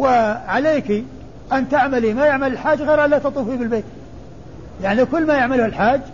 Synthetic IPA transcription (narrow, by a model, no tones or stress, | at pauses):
wɪʕaleːki | ʔant̪aʕmalimajɪʕmalɪlħaːd͡ʒːɣejɾʔalːat̪ɑt̪ˤuːfibɪlbeːt̪ | jaʕnikʊlːmajaʕmalʊhɪlħaːd͡ʒː